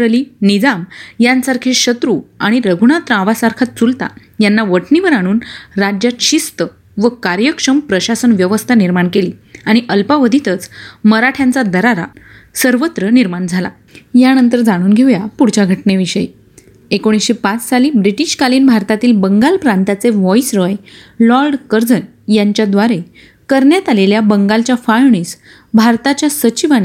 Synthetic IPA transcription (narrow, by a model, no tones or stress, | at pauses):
ɾliːnid͡zamjansaɾkʰeɕət̪ɾuaɽ̃iɾəɡʱuɳ̃at̪ɾãʋasaɾkʰat̪̚t͡sult̪a̰ | janːaʋəʈʰniʋəɾaɽ̃uːnɾad͡ʑjat̪ɕist̪ə | ʋəkaɾjəkʂəmpɾəɕasənʋjəʋəst̪ʰaniɾmaɳkeliːaɽ̃iʔəlpaʋəd̪ʱit̪ət͡sməɾaʈʰjãnt͡sad̪əɾaɾa̰ | səɾʋət̪ɾəniɾmaɳd͡zʱala̰ | janənt̪əɾd͡zaɽ̃uːnɡʱeʋjapuɽt͡ɕaɡʱəʈneʋiɕəji | ekoɽ̃isɕepat͡ssaliːbɾiʈiɕkaliːnbʱaɾt̪at̪iːlbəŋɡalpɾant̪at͡seʋɔisɾəjlɔɾɖkəɾd͡zən | jaɲt͡ɕjad̪ʋaɾe | kəɾɳjat̪aleljabəŋɡalt͡ɕjafajɳ̃iːs | bʱaɾt̪at͡ɕjasət͡ɕiʋañe